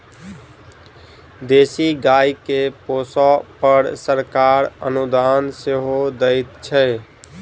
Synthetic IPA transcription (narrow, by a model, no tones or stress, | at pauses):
d̪esiɡajkeposɔpəɾsəɾkaɾə̰nud̪anseɦod̪əɪt̪t͡ʃʰɛ